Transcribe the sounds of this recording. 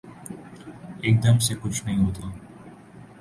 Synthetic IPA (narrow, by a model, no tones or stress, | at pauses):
ek̚d̪ɐmsekʊt͡ʃʰnɐĩɦot̪a